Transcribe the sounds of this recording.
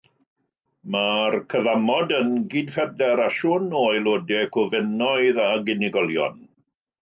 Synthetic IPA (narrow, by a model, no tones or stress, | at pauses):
markʰəvamɔdənɡidfɛdɛɾaʃʊnɔjlˠoːdɛkʰʊvɛnɔɨðaɡɪnɪɡɔlˠjɔ̰n